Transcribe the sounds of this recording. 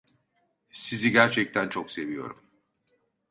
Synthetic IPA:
siziɟæɾt͡ʃʰɛc̚t̪ʰænt͡ʃʰokse̞vijo̞̰ɾum

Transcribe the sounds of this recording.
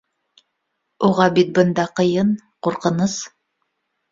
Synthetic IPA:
uʁɑbit̪̚bənd̪ɑqə̆jɤn | quɾqənɤs

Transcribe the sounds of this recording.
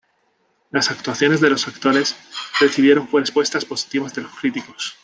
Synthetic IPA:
lasak̚t̪uaθjo̞ne̞zðe̞lo̞sakt̪o̞ɾe̞sd̪e̞θiðje̞ɾo̞ɱfweɾespwe̞st̪aspo̞si̥t̪iβazðe̞lo̞skɾit̪iko̞s

